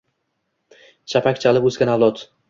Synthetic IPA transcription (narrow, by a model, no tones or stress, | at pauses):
t͡ʃʰapʰakʲt͡ʃʰalɪpɵzɡʲanavlˠɒt̪